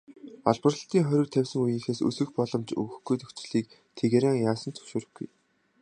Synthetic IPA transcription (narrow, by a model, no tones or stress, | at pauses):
ɔɮpə̆rə̆ɬt̪iːŋχœɾʲɵ̆k̚t̪ʰæwʲsɘ̆ŋujɘ̆ŋxeːsɵ̰sɘ̆xpɔɮɞ̆mt͡ɕɵ̰ɣɵ̆xɡujt̪ʰɵkt͡ɕɪ̆ɮiːk̚ | t̪ʰeɣeɾaːŋjaːsə̆nt͡sʰɵ̥wʃoːɾɵ̆xɡṵj